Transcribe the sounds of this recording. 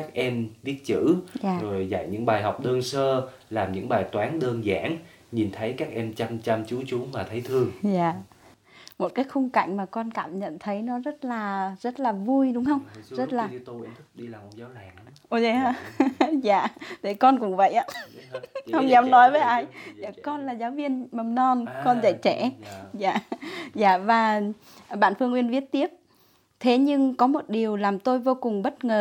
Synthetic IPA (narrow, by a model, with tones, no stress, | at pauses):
aː˦˥k̚ʔɛ˧mvi˦˥ət̚t͡ɕɨ̰˧˥aː˨˩zo˨˩jza̰˧˨jɲɨ̰˧˥ŋɓaː˨˩jɦa˨˩wk͡p̚ɗəː˧nsəː˧ | laː˨˩mɲɨ̰˧˥ŋɓaː˨˩jt̪waː˨˦nɗəː˧nzaː˧˩ŋ | ɲi˨˩nt̪ʰə˨˦jkaː˦˥k̚ʔɛ˧mt͡ɕa˧mt͡ɕa˧mt͡ɕu˨˦t͡ɕʊ˨˦maː˨˩t̪ʰə˨˦jt̪ʰɨ˧əŋzaː˨˩ | mo˨˩t̚kaː˨˦jxʊ˧ŋ͡mka̰˧˨jŋ̟maː˨˩kɔ˧nkaː˧˨mɲə̰˧˨nt̪ʰə˨˦jnɔ˨˦zə˦˥t̚laː˨˩zə˦˥t̚laː˨˩vu˧jɗʊ˨˦ŋ͡mhə˧wŋ͡mzə˦˥t̚laː˨˩˧t̪u˧i˧˦t̪ʰɨ˦˥k̚ɗi˧laː˨˩mo˨˩t̚zaː˨˦wlaː˨˩ŋ˦ʔo˧˩zza̰ː˧˨ɗe˧˩kɔ˧nkʊ̰˧˥ŋ͡mvə̰˧˨jʔaː˧˦ | hə˧wŋ͡mɲɛ˨˦wnɔ˨˦jvəː˨˦jʔaː˧jzaː˧˩kɔ˧nlaː˨˩zaː˨˦wvi˧ənmə˨˩mnɔ˧nkɔ˧nzə̰˧˨jt͡ɕɛ˧˩˨za̰ː˧˨za̰ː˧˩vaː˨˩ | ɓa̰ː˧˨nfɨ˧əŋʔwi˧ənvi˦˥ət̚t̪i˦˥əp̚ | t̪ʰe˨˦ɲɨ˧ŋkɔ˨˦mo˨˩t̚ɗi˨˩əwlaː˨˩mt̪o˧jvo˧kʊ˨˩ŋŋ͡mɓə˦˥t̚ŋəː˨˩